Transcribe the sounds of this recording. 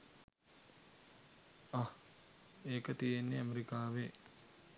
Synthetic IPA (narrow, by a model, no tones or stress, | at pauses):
ah | eːkət̪ijenːeameɾikaːʋe